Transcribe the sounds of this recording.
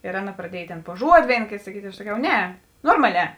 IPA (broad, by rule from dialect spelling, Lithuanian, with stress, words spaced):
ɪr ˈɑːˌnɐ prɐdʲˈiɛj ˈtʲeːn pʊ ˈʒuɔdʲɪ ˈʋʲeːɪn ˈkʲeːt sɐˈkʲiːtʲ ɪ ɐʃ sɐˈkʲɛʊ ˈnʲɛ ˈnoːrmɐˌlʲɛː